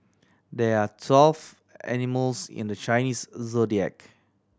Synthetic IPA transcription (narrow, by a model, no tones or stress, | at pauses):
dɛatʰwɛlf | ɛ̰niməlsɪ̰̃ndət͡ʃajniszodiɛ̰k